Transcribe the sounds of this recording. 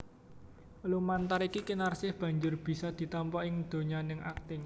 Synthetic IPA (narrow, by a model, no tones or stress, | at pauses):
lumant̪aɾikikinarsɪhb̥a̤ɲd͡ʒʊrb̥i̤sɔd̪̥i̤t̪ɔmpɔʔɪŋd̪̥o̤ɲanɪŋʔak̚t̪ɪŋ